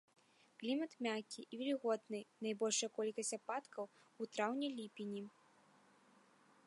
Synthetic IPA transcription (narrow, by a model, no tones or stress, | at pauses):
klʲimɐt̪mʲakʲiʔːvʲɛlʲiɣɔd̪nɨnajbɔlʲʂɐjɐkɔlʲkɐsʲapat̪kɐw | ut̪ɾawnʲɛlʲipʲinʲi